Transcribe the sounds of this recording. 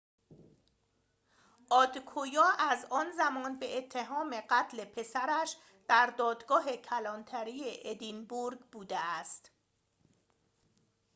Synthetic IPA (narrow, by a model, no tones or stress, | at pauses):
ʔɒːd̪kʰojɒːʔæzɒːnzæmɒːnbe̞ʔet̪ʰːe̞ɦɒːme̞ɢæt̪ʰle̞pʰe̞sæɾæʃ | d̪̥æɾd̪ɒːd̪ɡɒːɦe̞cʰælɒnt̪ʰæɾiːjeʔed̪inbuɾɡbuːd̪eæst̪